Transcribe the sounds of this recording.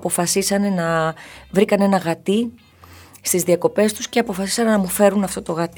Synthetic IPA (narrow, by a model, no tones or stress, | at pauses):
po̞fɐsisɐne̞nɐvɾikɐne̞nɐɣɐt̪i | st̪izðiɐko̞pe̞st̪usceɐpo̞fɐsi̥sɐnenɐmufe̞ɾunɐft̪o̞t̪o̞ɣɐt̪